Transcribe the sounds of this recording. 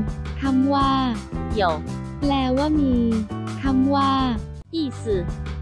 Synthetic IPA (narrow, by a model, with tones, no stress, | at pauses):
t̪ʰa˧mwaː˧˥˩ki˨˩˦əw | lɛː˧waː˥˩miː˧t̪ʰa˧mwaː˧˥˩ | ʔiː˥˩sɯ˨˩